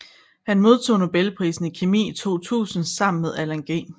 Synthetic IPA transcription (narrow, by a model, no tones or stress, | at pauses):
hænmo̝ð̞ˠt͡sʰo̝̰ːno̝b̥elpʰʁḭːsn̩ikʰemḭːit͡sʰo̝̰ːt͡sʰṵːsn̩sɑ̈m̰n̩með̞ˠælæŋɡ̥ḛ